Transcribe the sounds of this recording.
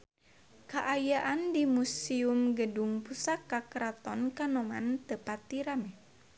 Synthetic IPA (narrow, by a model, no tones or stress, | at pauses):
kaʔajaʔandimusiumɡəduŋpusakːakɾat̪ɔnkanɔma̰nt̪əpat̪iɾamɛ